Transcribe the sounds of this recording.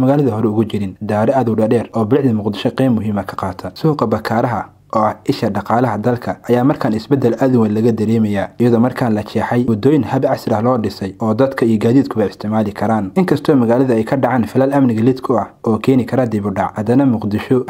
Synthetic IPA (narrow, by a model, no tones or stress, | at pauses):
mɐɣaːlɐðɐɦɔɾɛʊɣʊt͡ʃɪɾɪnd̪aːɾɛʔɐðʊwɖɐɖɛːrɔːbɪlɪħðɐmʊqd̪ɪʃɔqɛːmːʊɦiːmɐkʰɐ̥qɑːt̪ʰɐsʊhqɐbɐkʰaːɾɐɦɐ | ɔːɐhɪʃɐɖɑqɑːlɐɦɐd̪ɐlkʰɐʔɐjaːmɐrkʰaːnɪsbɛd̪ɐlʔɐðʊwɐnlɐɣɐd̪ɐɾɛːmɐjaːijɐðɔmɐrkʰaːnlɐt͡ʃʰɛːħɛjwɔd̪ɔːjɪnhɐbʕɑsɪɾɐhlɔːɖɪsɛjɔːd̪ɐd̪kʰɐijɔɡaːðiːd̪̚kʰʊβɐɪst̪ʰɪʕmaːlɪkʰɐɾaːnʔɪŋkʰɐst̪ʰɔːmɐɣaːlɐðɐɛjkʰɐɖɑʕaːnfɪlalɐmnɪɣɐlɪd̪kʰʊɐhɔːkʰɛːnɪkʰɐɾaːd̪ɛβʊɖɑʕhɐd̪ɐnɐmʊqd̪ɪʃɔ